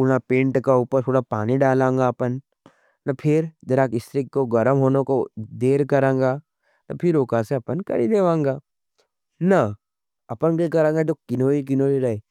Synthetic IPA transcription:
uɽapẽːɳʈkauːpəɾt̪ʰoːɽapaːniɖaːlãːŋ̆ɡaɐpən | nɐpʰɪɾd͡ʒ̪ɐɾaːkɪst̪ɾɪkːoɡɐɾəmɦoːnokod̪eːɾkɐɾãːŋ̆ɡaː | nɐ̰pʰɪɾoːkaseɐpənkɐ̰ɾid̪eːʋãːŋɡaː | nɐ | ɐpənkekɐɾãːŋɡad͡ʒoːkɪnoːɾik̬ɪnoːɾiɾɐɦeː

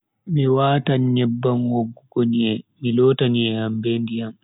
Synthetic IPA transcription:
miwaːtaɲɲɛbːanwoɡːuɡoniɛmilɔːtaniɛambɛndijam

